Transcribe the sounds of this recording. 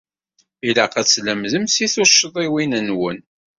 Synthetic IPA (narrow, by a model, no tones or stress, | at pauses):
ilaqæt͡sːləmðəmsiθʊʃːəðˤiwinənwən